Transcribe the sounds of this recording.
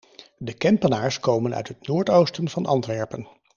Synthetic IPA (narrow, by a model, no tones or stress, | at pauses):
dəkɛmpənaːɹskowmənœ̰ɥtɦətnoːɹtowstənvɑnʔɑ̰ntʋɛɹpən